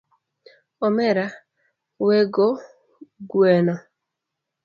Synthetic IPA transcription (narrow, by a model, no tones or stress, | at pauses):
ɔmɛɾa | weɡo | ɡwenɔ